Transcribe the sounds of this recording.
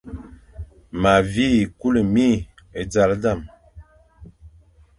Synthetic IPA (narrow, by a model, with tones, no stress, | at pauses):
ma˨vi˦˨ku˦lə˨mi˦ | e˨d͡za˨lda˦˨m